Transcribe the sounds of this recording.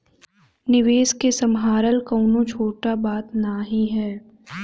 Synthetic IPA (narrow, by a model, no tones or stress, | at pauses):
nɪʋeːskesɐmɦaːɾəlkɐːnõt͡ʃʰoːʈabaːt̪naɦĩɦɛː